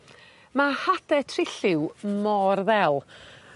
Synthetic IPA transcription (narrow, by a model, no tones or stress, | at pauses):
mahad̥ɛtʰrɪɬɪwmɔrðɛlˠ